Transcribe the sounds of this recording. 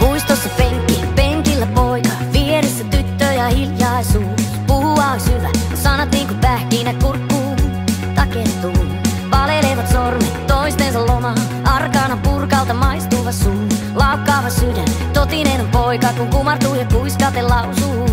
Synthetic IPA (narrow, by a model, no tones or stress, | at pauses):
puist̪osːɑpeŋkːiæpeŋkilːæpoikɑ | ʋieɾesːæt̪yt̪ːøːjɑhiljɑsuː | puhuɑːsyʋæ | sɑnɑt̪niːŋkumpæhkiːnækkurkːuː | t̪ɑkert̪uː | pɑleleːʋɑt̪sormit̪oist̪ensɑllomɑɑ | ɑrkɑːnɑpurkɑlt̪ɑmɑist̪uiʋɑt̪suːnu | lɑukːɑːʋɑsydæn | t̪ot̪inenpoikɑkuŋkumɑrt̪uːjɑkuiskɑːt̪ellɑusuː